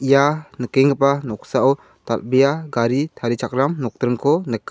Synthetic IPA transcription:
ʔijanəkɛŋɡɯpanɔksaɔw | t̪al̚bijaɡaɾit̪ʰaɾit͡ʃʰak̚ɾamnɔk̚t̪ɾɯŋkʰɔnəkː

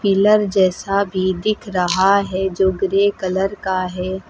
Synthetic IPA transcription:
pɪləɾd͡ʒɛːsabʱid̪ɪkʰɾɐɦaɦɛd͡ʒoːɡɾeːkɐləɾkaɦɛː

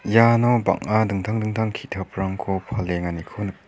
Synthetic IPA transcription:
janɔba̰ŋadɯŋtʰaŋdɯŋtʰaŋkʰitʰapʰɾaŋkʰɔpʰaleŋanikʰɔnɯk

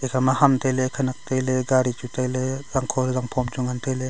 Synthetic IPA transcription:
ekʰamahamtajlekʰanak̚tajleɡaɾit͡ʃutʰajlezaŋkʰɔɾzaŋpʰɔmd͡ʒuŋantʰajle

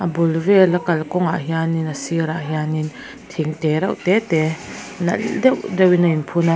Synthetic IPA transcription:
ʔabulvɛlɐkɐlkɔŋaʔɦianinasiɾaʔɦianin | t̪ʰiŋtɛɾa̰wtɛtɛ | nɐ̰dɛwdɛwinainpʰuna

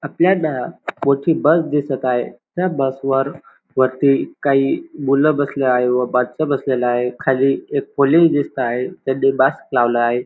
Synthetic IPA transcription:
apljaɖamoʈʰiːbəsd̪isət̪aɦet̪jabəsʋəɾ | ʋ̤əɾt̪iːkaɦiːbuləbəsləaɦeʋəbədt͡səbəsleləaɦekʰaliːek̚poled͡ʑd̪ist̪əaɦet̪adebəsklaʋləaɦe

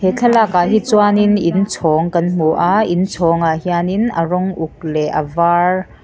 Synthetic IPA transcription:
tʰɛt͡ɬʰɛlakaɦit͡suaninint͡sʰɔːŋkɐnm̥uʔaint͡sʰɔːŋahianinɐrɔŋʔuk̚lɛʔɐvaːr

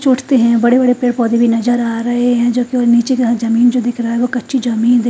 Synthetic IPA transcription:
t͡ʃʊːʈʰt̪eɦɛ̃bɐɽebɐɽepeːɽpɔːd̪ibʱinɐzəɾaːɾɐɦeɦɛ̃ːd͡ʒoːkioːɾniːt͡ʃekaɦzɐmiːnd͡ʒod̪ɪkʰɾɐaɦɛʋokɐtːʃʰid͡ʒɐmiːnd̪e

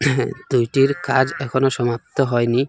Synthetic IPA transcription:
d̪̥ujʈiɾkad͡ʑɛkʰonoʃɔmap̚t̪oɦɔeni

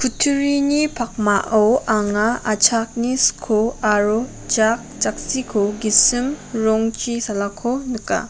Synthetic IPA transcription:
kʰutʰuɾinipʰak̚maʔɔwaŋaat͡ʃʰak̚niskʰoaɾo | d͡ʒak̚t͡ʃak̚sikʰoɡisimɾɔŋt͡ʃisalakʰonɯka̰

